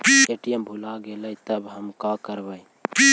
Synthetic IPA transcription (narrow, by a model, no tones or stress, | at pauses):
eʈijəmbʱulaɡeləjt̪əbɦəmkakəɾbəi